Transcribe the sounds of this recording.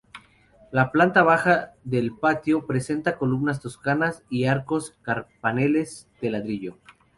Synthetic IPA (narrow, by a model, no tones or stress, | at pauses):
laplant̪aβ̞axaðe̞lpat̪jo̞pɾe̞se̞nt̪ako̞lumnas̬t̪o̞skanasiaɾko̞skaɾpane̞le̞zd̪e̞laðɾiʝo̞